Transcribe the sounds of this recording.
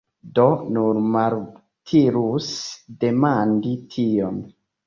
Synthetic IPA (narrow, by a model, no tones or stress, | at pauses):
donunmaɾ | tʰiɾusde̞manditʰion